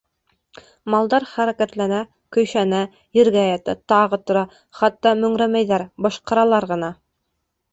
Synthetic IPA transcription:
mɑlˠd̪ɑɾχæɾækæt̪lænæ | kɵ̆jʃænæ | jɘ̆ɾɡæjɑt̪æt̪ɑʁɤt̪ŏɾɑ | χɑt̪ːɑmɵ̆ŋɾæmæjðæɾbɑʃqɑ̆ɾɑlˠɑɾʁɤ̆nɑ

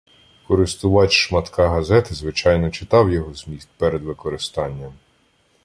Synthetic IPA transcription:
kɔɾɪst̪ʊʋɑtʲʃmɐt̪kɑɦɐzɛt̪ɐzʋɪt͡ʃɑjnɔt͡ʃɪt̪ɑwjɔɦɔzmʲist̪̚ʲpɛɾed̪ʋɪkɔɾɪst̪ɑnʲːɐm

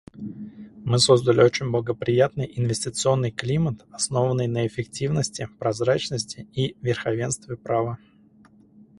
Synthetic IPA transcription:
mɨso̞zd̪əlʲɪo̞t͡ɕɪnʲblˠəɡəpɾʲɪjat̪nɨjʔɪnvʲɪsʲtʲɪt̪sɨo̞nːɨjklʲimət̪ɐsno̞vənːɨjnəɪfʲɪktʲivnəsʲtʲɪpɾɐzɾat͡ɕnəsʲtʲɪivʲɪrxɐvʲe̞nst̪vʲɪpɾavə

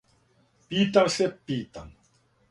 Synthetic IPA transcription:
piːt̪aɾsepːiːt̪an

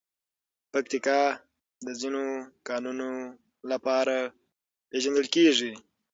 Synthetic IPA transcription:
pakt̪ɪkɑ | d̪əzinokɑnuno | lapɑɾa | peʒand̪əlkeʐi

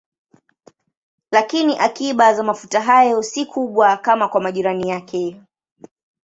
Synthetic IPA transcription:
lakiniʔakiɓazamafutaɦajɔsikʰuɓwakamakwamaʄiɾanijakʰɛ

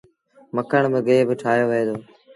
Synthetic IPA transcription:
məkʰəɳ̃bɪɡeːbɪʈʰaːɦjoːʋəɦeːd̪oː

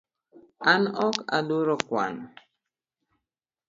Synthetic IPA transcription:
anɔka̰doɾɔkwa̰n

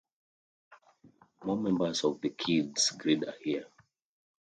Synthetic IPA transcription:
mɔmɛ̃mbəsɔvðəkʰidsɡɹidahiə

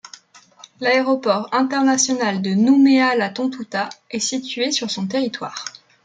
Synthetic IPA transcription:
laeʁɔpɔʁɛ̃t̪ɛʁnasjɔnald̪ənumealat̪ɔ̃t̪ut̪aɛsit̪ɥesyʁsɔ̃t̪eʁit̪wa̰ːʁ

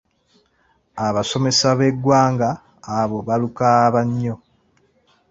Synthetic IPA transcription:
aβaso̞me̞saβe̞ɡːwaːŋɡaː | βo̞βalukaβaɲːo̞

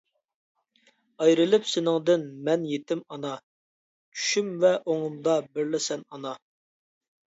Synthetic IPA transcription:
ɑjɾɨlˠɨpsɪnɪŋd̪ɪnmɛnjet̪ʰɪmɑnɑ | t͡ʃʰy̥ʃymvɛʔoŋʊmd̪ɑbɪɾlɪsɛnɑnɑ

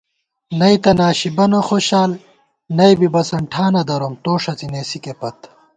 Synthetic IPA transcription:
nɐjt̪ɐnaːɕibɐnoxoːɕaːl | nɐjbibɐsɐɳʈʰaːnɐd̪ɐɾomt̪oːʂɐt͡sineːsikepɐt̪

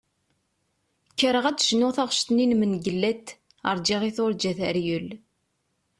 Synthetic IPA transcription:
kːəɾəʁædʃnʊθaʁʃt̪ninmənɡəlːæt̪ | ə̰ɾˤd͡ʒɪʁiθʊɾd͡ʒæθæɾjəl

